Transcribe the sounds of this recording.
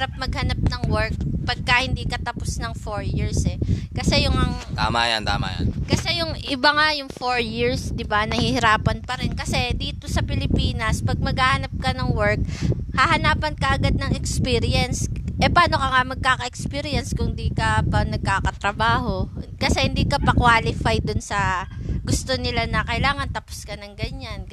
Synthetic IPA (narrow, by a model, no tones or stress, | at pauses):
ɾap̚mɐɡ̚hɐnap̚nɐŋwɛɹk̚pɐɡ̚kɐhɪnd̪iːkɐt̪ɐposnɐŋfoɹjiɹsɛkɐsɛjʊŋɐŋt̪a̰ːmaja̰nt̪a̰ːma̰ja̰nkɐsɛjʊŋʔɪbaŋajʊŋfoɹjiɹsd̪ɪbanɐhiːhɪɾaːpɐnpɐɾɛnkɐsɛd̪iːt̪o̞sɐpɪlɪpiːnɐspɐɡ̚mɐɡhaːhɐnap̚kɐnɐŋwɛɹk̚hɐhɐnaːpɐnkɐʔɐɡad̪̚nɐŋɛkspiːɾɪjɛnsʔɛpaːno̞kɐŋamɐɡ̚kaːkɐʔɛkspiɾɪjɛnskʊŋd̪iːkɐpɐnɐɡ̚kaːkɐt̪ɾɐbaːho̞kɐsɛhɪnd̪iːkɐpɐkwaːlɪfajd̪ʊnsɐɡʊst̪o̞nɪlanɐkɐʔɪlaːŋɐnt̪ɐpo̥skɐnɐŋɡɐɲan